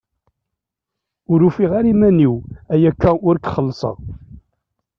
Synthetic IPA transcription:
ʊɾufiʁaɾimæniwæjækːæʔʊɾkχəlːsˤə̰ʁ

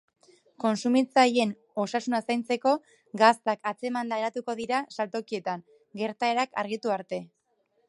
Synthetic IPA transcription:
ko̞nsumit͡saje̞n | o̞sasunasajnt͡se̞ko̞ | ɡast̪akat͡se̞mand̪aɾat̪uko̞ðiɾasalt̪o̞kie̞t̪aŋ | ɡe̞ɾt̪ae̞ɾaka̰ɾɣit̪uaɾt̪e̞

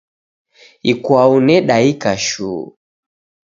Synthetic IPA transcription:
ikwaunɛɗaikaʃṵː

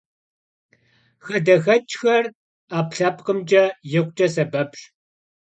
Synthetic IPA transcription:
xɐdɐxɐt͡ʃʼxɐr | aːpɬaːpʼqʼəmd͡ʒʼɐjɪkʷʼt͡ʃʼɐsɐbɐpɕ

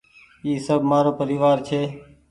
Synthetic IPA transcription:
iːsəbʱmaːɾoːpəɾiːʋaːɾt͡ʃʰeː

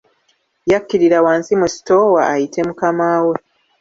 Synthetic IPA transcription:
jakːiɾiɾawaːnsimusi̥to̞waːjitʰe̞mukamaːwe

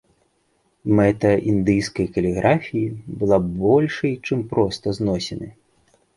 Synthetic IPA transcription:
mɛt̪ɐind̪ɨjskɐjkɐlʲɛɣɾʔafʲijibɨlˠabɔlʲʂɐjt͡ʂɨmpɾɔst̪ɐznɔsʲɛnɨ

